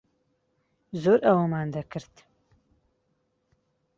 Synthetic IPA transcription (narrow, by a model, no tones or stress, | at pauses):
zoːɾʔɐwɐmaːnd̪ɐkɨɾt̪